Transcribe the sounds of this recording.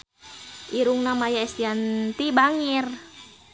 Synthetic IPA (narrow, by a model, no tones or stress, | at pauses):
ʔiɾuŋnamajaɛst̪iant̪ibaŋir